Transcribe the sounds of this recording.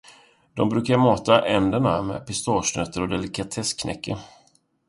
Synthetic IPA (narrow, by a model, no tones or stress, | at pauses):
d̪̥ɔmbɾʉ̟ːkaɾmɑːt̪aʔɛnd̪əɳamɛ̰ːpɪst̪ɑːʂnœt̪ʰːəɾɔd̪ɛlɪkat̪ʰɛskʰnɛ̰kːə̰ɾ